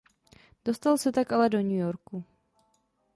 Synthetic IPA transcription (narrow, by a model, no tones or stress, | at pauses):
d̥o̞st̪alsɛt̪akʔalɛdo̞ɲujoɾku